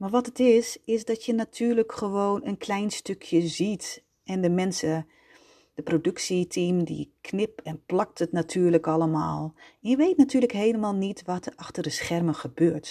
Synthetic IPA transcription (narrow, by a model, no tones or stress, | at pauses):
maɹʋɔtətɪsɪsdɔtjənatʰyːrləkχəʋoːnənkʰlɛjnstøkʰjəzit | ɛndəmɛnsə | d̥əprodøksitʰimdḭkʰnɪpɛnplɑk̚tətnatʰyːrləkɑlˠəmaːlˠɛnjəʋeːtnatʰyːləkɦeːləmaːlˠnitʋɔtərɑxtərdəsxɛrməxəbøːrt